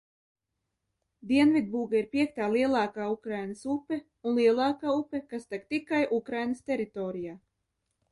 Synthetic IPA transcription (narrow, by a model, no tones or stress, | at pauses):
d̪iɛnvid̪̚buːɡaiɾpʲiɛk̚t̪aːlˠiɛlˠaːkaːukɾajnəsupɛ | unlˠiɛlˠaːkaːupɛkast̪akt̪ikajʔukɾajnəst̪ɛɾit̪ɔːɾijaː